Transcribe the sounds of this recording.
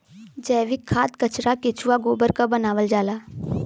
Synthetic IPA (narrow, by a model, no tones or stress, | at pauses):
d͡ʒɛːʋɪkʰːaːt̪kət͡ʃɾakɪt͡ʃʰuwaɡoːbəɾkabənaːʋəld͡ʒaːlaː